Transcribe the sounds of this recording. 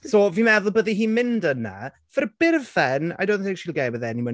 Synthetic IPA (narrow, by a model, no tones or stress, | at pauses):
soːvimɛðʊlˠbəðiɦiːmɪndəna̰ | v̥ərb̥ɪrvɛna̰jdowdn̩θɪ̃ŋkʃiːlˠɡejbəðɛnimə